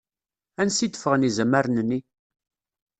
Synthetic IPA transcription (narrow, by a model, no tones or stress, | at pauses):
ænsid̪ə̥fəʁənizəmːəɾnənːi